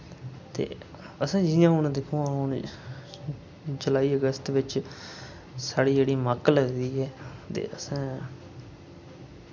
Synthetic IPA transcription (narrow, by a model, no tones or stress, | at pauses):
t̪ḛː | əsãːd͡ʒiːãːɦʊnd̪ɪkʰːũːãːɦʊɳ | d͡ʒəlaːiːəɡəst̪ʋɪt͡ʃ | saːɽiːd͡ʒeːɽiːməkləɡd̪iːɛːt̪ḛːʔəsãː